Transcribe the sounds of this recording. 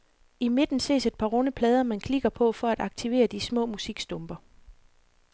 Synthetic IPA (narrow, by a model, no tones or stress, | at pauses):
ime̝d̥n̩se̝̰ːse̝d̥̚pʰɑ̈ːʁɔ̽nəpʰlɛːð̞ˠɐmænkʰliɡ̥ɐpʰɒ̽fɒ̽æd̥ɑ̈ɡ̥t͡sʰiʋe̝̰ːɐd̥ismɔ̰ːmusiɡ̥sd̥ɔ̽mb̥ɐ